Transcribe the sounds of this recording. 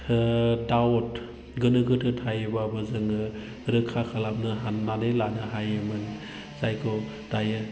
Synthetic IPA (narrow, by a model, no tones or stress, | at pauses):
awɔt | ɡɯnɯɡɯtʰɯtʰajɯbabɯzɯŋɯ | ɾɯkʰakʰalap̚nɯɦanːadelanɯɦajɯmɯn | z̥ajkʰɔ | d̥ajɯ